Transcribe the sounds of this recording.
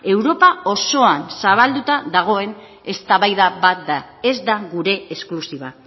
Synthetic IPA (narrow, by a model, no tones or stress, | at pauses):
e̞wɾo̞pao̞so̞ansaβ̞ald̪ut̪aðaɣ̞o̞e̞n | e̞st̪aβajðabat̪̚d̪a | e̞zd̪aɣuɾe̞esklusiβa